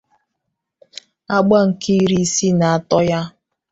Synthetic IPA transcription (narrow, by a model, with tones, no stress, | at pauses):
a˦ɡ͡ba˦ŋ̩˨ki˦ɾi˦si˦na˨a˦˨tɔ˦ja˦